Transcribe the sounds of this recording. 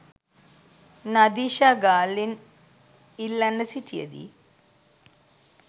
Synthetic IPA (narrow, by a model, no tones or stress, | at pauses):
nɐd̪iːʃaɡaːlin | ilːɐnɐsitʰijɐ̰d̪ḭ